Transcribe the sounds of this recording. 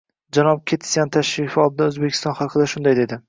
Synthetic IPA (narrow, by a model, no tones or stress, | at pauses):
d͡ʒanɒp̚kʲʰet̪ʰsjant̪ʰaʃɾifɒlˠɪd̪aɵzbekʲʰɪ̥st̪ɒnχɑqʰɨd̪aʃʊnd̪ajd̪e̞d̪ɪ